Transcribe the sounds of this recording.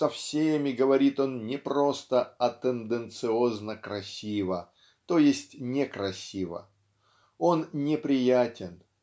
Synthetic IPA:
sɐfsʲemʲɪɡəvɐɾʲit̪o̞nnʲɪpɾo̞st̪əɐt̪ənd̪ənt̪sɨoznəkɾɐsʲivə | t̪o̞jɪsʲtʲnʲɪkɾɐsʲivə̰ | o̞nnʲɪpɾʲɪjætʲɪn

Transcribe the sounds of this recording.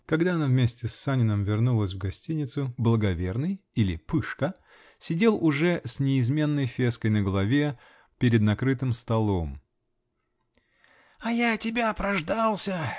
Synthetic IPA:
kɐɡd̪aɐnavmʲesʲtʲɪsːanʲɪnəmvʲɪrnulˠəsʲvɡɐsʲtʲinʲɪt̪sʊblˠəɡɐvʲe̞rnɨjilʲɪpɨʂkə | sʲɪdʲe̞lˠʊʐɛsʲnʲɪːzmʲe̞nːəjfʲe̞skəjnəɡəlˠɐvʲe | pʲɪɾʲɪd̪nɐkɾɨt̪ɨmst̪ɐlˠo̞m | ɐjatʲɪbʲapɾɐʐd̪alˠsʲə

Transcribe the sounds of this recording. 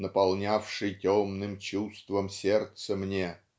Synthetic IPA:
nəpɐlˠnʲafʂɨjtʲomnɨmt͡ɕust̪vəmsʲert̪səmnʲe

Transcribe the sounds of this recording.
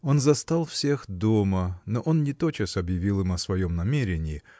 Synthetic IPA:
o̞nzɐst̪alˠfsʲe̞xd̪o̞mənoʔo̞nnʲɪt̪o̞t͡ɕəsɐbjɪvʲilˠɨmɐsvɐjo̞mnɐmʲeɾʲɪnʲɪː

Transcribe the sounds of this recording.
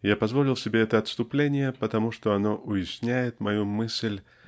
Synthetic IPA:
japɐzvolʲɪlˠsʲɪbʲeɛt̪əɐt̪st̪ʊplʲenʲɪjəpət̪ɐmuʂt̪oɐno̞ʔʊjɪsʲnʲæjɪt̪mɐjumɨsʲlʲ

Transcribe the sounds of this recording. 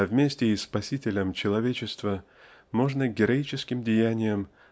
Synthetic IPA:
vmʲesʲtʲɪɪspɐsʲitʲɪlʲəmt͡ɕɪlˠɐvʲet͡ɕɪst̪və | mo̞ʐnəɡʲɪɾɐit͡ɕɪskʲɪmdʲɪjænʲɪjəm

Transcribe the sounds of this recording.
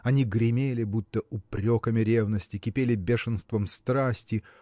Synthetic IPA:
ɐnʲiɡɾʲɪmʲelʲɪbut̪ːəʊpɾʲokəmʲɪɾʲevnəsʲtʲɪkʲɪpʲelʲɪbʲeʂɨnst̪vəmst̪ɾasʲtʲɪ

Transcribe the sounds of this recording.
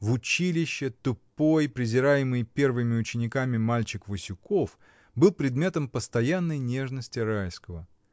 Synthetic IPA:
vʊt͡ɕilʲɪɕːɪt̪ʊpo̞jpɾʲɪzʲɪɾajɪmɨjpʲe̞rvɨmʲɪʊt͡ɕɪnʲɪkamʲɪmalʲt͡ɕɪkvəsʲʊko̞f | bɨlˠpɾʲɪd̪mʲe̞t̪əmpəst̪ɐjanːəjnʲe̞ʐnəsʲtʲɪɾajskəvə

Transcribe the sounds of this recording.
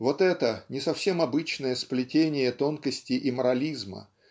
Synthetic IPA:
vo̞t̪ɛt̪ənʲɪsɐfsʲe̞mɐbɨt͡ɕnəjəsplʲɪtʲenʲɪjət̪o̞nkəsʲtʲɪʔɪməɾɐlʲizmə̰

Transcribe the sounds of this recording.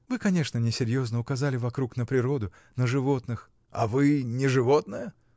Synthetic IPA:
vɨkɐnʲe̞ʂnənʲɪsʲɪɾʲjo̞znəʊkɐzalʲɪvɐkɾuknəpɾʲɪɾo̞d̪ʊ | nəʐɨvo̞t̪nɨx | a̰vɨnʲɪʐɨvot̪nəjə

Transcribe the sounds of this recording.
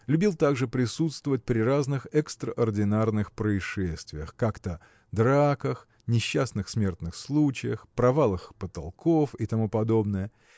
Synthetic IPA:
lʲʉbʲilˠt̪aɡʐɨpɾʲɪsut̪st̪vəvət̚ʲpɾʲɪraznɨxɛkst̪ɾəʔɐrdʲɪnarnɨxpɾəɪʂɛsʲt̪vʲɪjəxkakt̪ə | d̪ɾakəx | nʲɪɕːasnɨxsmʲe̞rt̪nɨxslˠut͡ɕɪjəxpɾɐvalˠəxpət̪ɐ̰lˠkʰofit̪ɐmupɐd̪o̞bnɨjə

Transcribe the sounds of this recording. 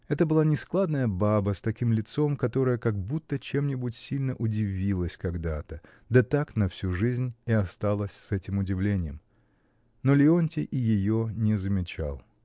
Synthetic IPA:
ɛt̪əbɨlˠanʲɪsklˠad̪nəjəbabəst̪ɐkʲimlʲɪt̪so̞mkɐt̪o̞ɾəjəkɐɡ̚but̪ːət͡ɕe̞mnʲɪbʊtʲsʲilʲnəʔʊdʲɪvʲilˠəsʲkɐɡd̪at̪ə | d̪ət̪aknɐfsʲuʐɨzʲnʲɪɐst̪alˠəsʲsɛtʲɪmʊdʲɪvlʲenʲɪjəm | nolʲɪonʲtʲɪʔɪjɪjo̞nʲɪzəmʲɪt͡ɕa̰lˠ

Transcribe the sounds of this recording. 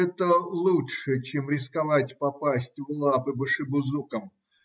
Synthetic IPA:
ɛt̪əlˠuʂɨt͡ɕemɾʲɪskɐvatʲpɐpasʲtʲvlˠapɨbɨʂɨbʊzukəm

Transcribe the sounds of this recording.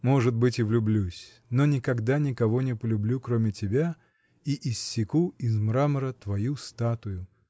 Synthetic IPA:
moʐɨt̪̚bɨtʲɪvlʲʊblʲusʲ | nonʲɪkɐɡd̪anʲɪkɐvo̞nʲɪpəlʲʊblʲukɾomʲɪtʲɪbʲa | iʔɪsːʲɪkuɪzmɾaməɾət̪vɐjust̪at̪ʊjʊ

